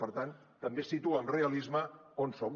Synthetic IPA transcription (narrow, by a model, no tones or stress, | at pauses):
pəɾt̪an | t̪əmbesit̪uaːmreəlizməonsom